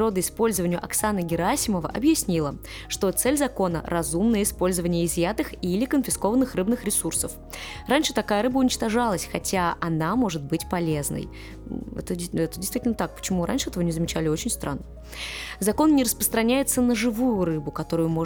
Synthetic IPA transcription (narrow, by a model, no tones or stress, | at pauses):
ɾo̞d̪əɪspo̞lʲzəvənʲɪjʊʔɐksanəɡʲɪɾasʲɪməvə̰ʔɐbjɪsʲnʲilˠə | ʂt̪o̞t̪sɛlʲzɐko̞nə̰rɐzumnəjəɪspo̞lʲzəvənʲɪjəɪzjat̪ɨxilʲɪkənfʲɪsko̞vənːɨxrɨbnɨxɾʲɪsursəf | ranʲʂɨt̪ɐkajəɾɨbəʊnʲɪt͡ɕt̪ɐʐalˠəsʲxɐtʲaʔɐnamo̞ʐɨt̪̚bɨtʲpɐlʲeznə̰j | ɛ̰t̪əɛt̪ədʲɪst̪vitʲlʲnət̪ak̚pə̥t͡ɕɪmuɾa̰nʲʂɨɛt̪əvənʲɪzəmʲɪt͡ɕælʲɪo̞t͡ɕɪnʲst̪ɾʔa̰nːə | zɐko̞nnʲɪɾəspɾəst̪ɾɐnʲæjɪt̪sənəʐɨvujʊrɨbʊkɐt̪o̞ɾʊjʊmo